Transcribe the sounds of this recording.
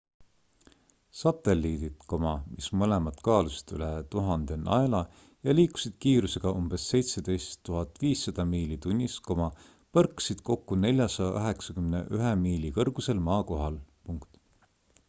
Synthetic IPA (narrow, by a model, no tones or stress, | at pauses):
sɑt̪ˑe̞lːiːd̪it̪ko̞mɑmismɤlemɑt̪kɑːlusi̥t̪ylet̪uɦɑnd̪̥e̞nʔɑ̰elɑ | jɑliːku̥sid̪̥̚kiːɾuse̞ɡ̥ɑʔumb̥e̞sːe̞jt̪se̞d̪̥e̞jst̪ːuɦɑt̪ːviːsːɑd̪̥ɑmiːlit̪unʲːisko̞mɑ | pɤrkːsid̪̥ko̞kːune̞lʲjɑsɑjɑɑɦe̞ksɑkymne̞̰ʔyɦemiːlikɤrɡ̥use̞lmɑːko̞ɦɑlpuŋkt̪